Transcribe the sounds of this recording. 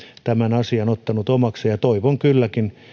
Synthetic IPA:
t̪æmænɑsiɑnot̪ːɑnut̪omɑksejɑt̪oiʋoŋkylːækin

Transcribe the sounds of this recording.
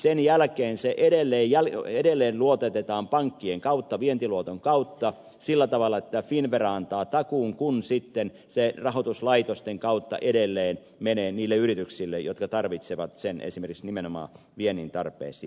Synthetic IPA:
senjælkeːnseʔeɾelːeːjjæleɾelːeːnluot̪et̪et̪ɑːmpɑŋkːieŋkɑut̪ːɑʋient̪iluot̪oŋkɑut̪ːɑ | silːæt̪ɑʋɑlːˑɑet̪ːæfinʋerɑɑnt̪ɑːt̪ɑkuːŋkunsit̪ːen | serɑɦot̪uslɑit̪ost̪eŋkɑut̪ːɑ̰ʔedelːeːn | meneːniːlːeyrit̪yksilːḛjjot̪kɑt̪ɑrʋit̪seʋɑt̪senḛsimerkiksnimenomɑ̰ː | ʋienint̪ɑ̰rpˑḛːsiː

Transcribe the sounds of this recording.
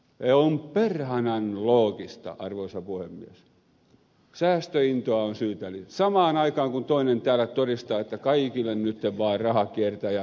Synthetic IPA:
eomperhɑnɑnloːkist̪ɑ̰ʔɑrʋoisɑpuhemːḭes | sæːst̪øint̪oɑonsyːt̪ælisɑmɑːnɑikɑːŋkunt̪oinent̪æːlːˑæt̪orist̪ɑːet̪ːækɑikilːennyt̪ːeʋʋɑːrrɑhɑkiert̪æjɑ

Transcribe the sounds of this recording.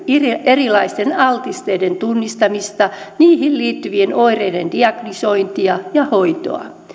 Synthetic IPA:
irierilɑist̪enɑlt̪ist̪eident̪unːist̪ɑmist̪ɑniːhilliːt̪ːyʋienoireidend̥iɑɡ̥nisoint̪iɑjɑhoit̪o̰ɑ̰

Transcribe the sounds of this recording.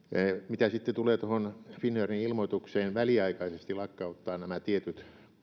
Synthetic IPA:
mit̪æsit̪ːet̪uleːt̪ohonfinːøriilmot̪ukseːnʋæliɑikɑisest̪ilɑkːɑut̪ːɑːnæmæt̪iet̪yt̪

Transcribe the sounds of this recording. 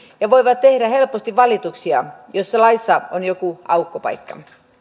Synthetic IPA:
jɑʋoiʋɑt̪t̪ehɾæhelpost̪iʋʋɑlit̪uksiɑ̰josːɑlɑisːɑonjokuɑukːopɑ̰ikːɑ

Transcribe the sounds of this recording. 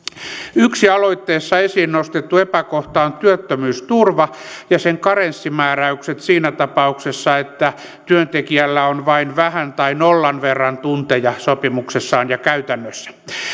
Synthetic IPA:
yksiɑloit̪ːeːsːɑesiːnnost̪et̪ːuepækoht̪ɑont̪yøt̪ːømyːst̪urʋɑ | jɑseŋkɑrensːimæːræykset̪siːnæt̪ɑpɑuksesːɑet̪ːæ | t̪yønt̪ekiælːæonʋɑinʋæhænt̪ɑinolːɑnʋerːɑnt̪unt̪ejɑsopimuksesːɑːnjɑkæyt̪ænːøsːæ̥

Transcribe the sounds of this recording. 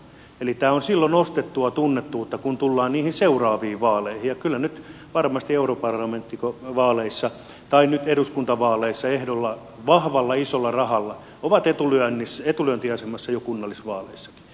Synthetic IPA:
elit̪æːonsilːonost̪et̪ːuɑt̪unːet̪ːuut̪ːɑkunt̪ulːɑːnniːhinseurɑːʋiːʋʋɑːleihijjɑkylːænyt̪ | ʋɑrmɑst̪ieuropɑrlɑment̪ːikoʋɑːleisːɑ | t̪ɑinnyt̪eɾuskunt̪ɑʋɑːleisːɑehdolːɑ | ʋɑhʋɑlːɑisolːɑrɑhɑlːɑ | oʋɑt̪et̪ulyænːisːet̪ulyænt̪iɑsemɑsːɑjokunːɑlːisʋɑːleisːɑ̥ki̥

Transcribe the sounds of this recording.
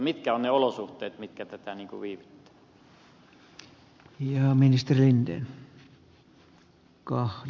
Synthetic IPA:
mit̪kæonneolosuht̪ˑeːt̪mit̪kæt̪æt̪æniːŋkṵʋiːʋit̪ːæ̥ | jɑːminist̪erilint̪ḛ | kɑh

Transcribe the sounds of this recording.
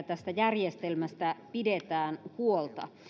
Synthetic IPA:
t̪æst̪æjærjest̪elmæst̪æpidet̪æːnhuolt̪ɑ̰

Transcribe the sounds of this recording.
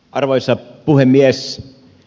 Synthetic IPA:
ʔɑrʋoisɑpuhemːies

